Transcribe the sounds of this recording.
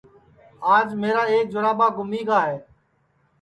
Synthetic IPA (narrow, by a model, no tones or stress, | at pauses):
aːd͡ʒmeːɾaːeːk̚d͡ʒʊɾaːɓaːɡʊmiːɡaːɦeː